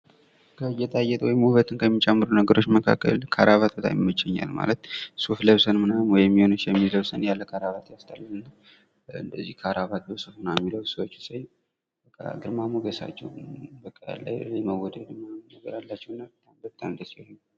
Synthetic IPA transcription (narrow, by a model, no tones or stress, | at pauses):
kʰəjɛt̪ʼajːɛt̪ʼwɔjɪmːuhβət̪ʰɨnkʰəjɛmːit͡ʃʼɛmːɨɾunəɡəɾo̞t͡ʃːməkʰa̰kʼːə̰lkʰaɾʔaβat̪̚bət̪ʼa̰mmːət͡ʃːɛɲːa̰lma̰lət̪̚sufləβsənmɨnamwɔjɛmːihonɨt͡ʃːjɛmːiləβsənjalːəkʰaɾaβat̪jast̪ʰʼalːɨnːa | ɨ̰nd̪əzːihkʰaɾaβat̪jəwsufɨnawjmːiləwsəwot͡ʃːsəj | bəkʼːa̰ɡɨɾmamuɡəsa̰t͡ʃːɛ̰wbəkʼːə̰la̰jɛməwɔd̪əd̪ɨmanəɡəɾalːat͡ʃːɛwɨnːabət̪ʼambət̪ʼːamɨnd̪əsihn